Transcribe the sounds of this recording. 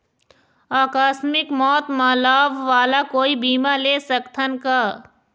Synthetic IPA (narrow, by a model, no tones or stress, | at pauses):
aːkaːsmɪkmɔːt̪maːlaːʋːaːlakoːibiːmaleːsəkt̪ʰənkaː